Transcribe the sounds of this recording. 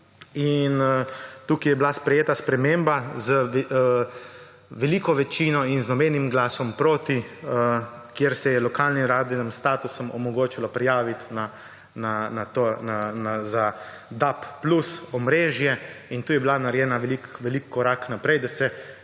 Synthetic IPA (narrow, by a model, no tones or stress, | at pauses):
int̪ukijɛbilaspɾɛjeːt̪aspɾɛmembazə | ʋɛliːkɔʋɛt͡ʃiːnɔinznɔbɛnimɡlaːsɔmpɾoːt̪i | kjeɾsɛjɛlɔkaːlnimɾaːd̪inimst̪aːt̪usɔmɔmɔɡoːt͡ʃilɔpɾijaːʋit̪na | nanat̪onanaza | d̪apːlusɔmɾeːʒjɛint̪uːjɛbilanaɾjɛːnaʋɛlikʋɛlikʰːɔɾaknapɾɛjd̪asɛ